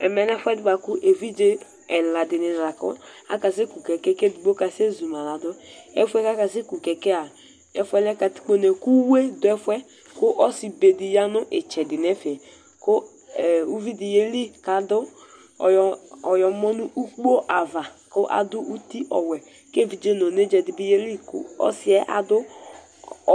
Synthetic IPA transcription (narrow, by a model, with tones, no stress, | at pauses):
ɛ˨mɛ˨nɛ˦fwɛ˦dʊ˦ba˨kʊ˦ʔe˨vi˦d͡ʒe˦ | ɛ˨la˨dɪ˨nɪ˨n˨la˨kʊ̰˦a̰˦ka˨s̬i˦ku˨kɛ˨kɛ˦ke˦du˨ɡ͡bo˦ka˨se˦zu˨ma˨la˨dʊ˦ɛ˦fʷɛ˦ka˦ka˨s̬i˦ku˨kɛ˨kɛ˦a˨ | ɛ˨fʷɛ˦lɛ˦ka˨ti̥˨˦k͡po˦ne˨ku˦we˦dʊ˨ɛ˦fwɛ˦ | kʊ˦ʔɔ˦si˨be˨di˨ja˦nʊ˦ʔɪ˨t͡ʃɛ˨dɪ˨nɛ˦fe˨ | kʊ˦˨ | u˦vi˦di˨je˦li˦ka˨dʊ˦˨ | ɔ˨jɔ˨˦mɔ˦nʊ˦ʔu˦k͡po˦ʔa˨va˨kʊ˦ʔa̰˨dʊ˦ʔu˦ti˦ʔɔ̰˨wɛ˨ | ke˦˨vi˨d͡ʒe˦no˨ne˦d͡ʒɛ˨dɪ˨bi˦je˦li˦kʊ̰˦ɔ̰˦sɪ˦ɛ˦ʔa̰˨dʊ˦